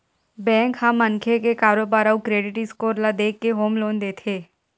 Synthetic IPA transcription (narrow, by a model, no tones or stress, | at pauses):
bɛ̃ːŋkhãmːə̃nkʰekekaːɾoːbaːɾaukɾeːɖɪʈɪskoːɾlad̪eːkːeɦoːmloːnd̪eːt̪ʰeː